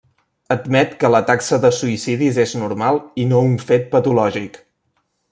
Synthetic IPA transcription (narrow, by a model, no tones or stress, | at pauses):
əd̪mɛt̪kələt̪aksəðəsuisiðizeznuɾmalˠinouɱfet̪̚pət̪ulɔʒik